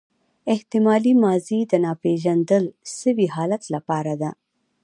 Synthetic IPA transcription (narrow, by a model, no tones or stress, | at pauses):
ɪht̪ɪmɑlimɑzid̪ənɑpeʒand̪əlsəwiɦɑlat̪lapɑɾad̪a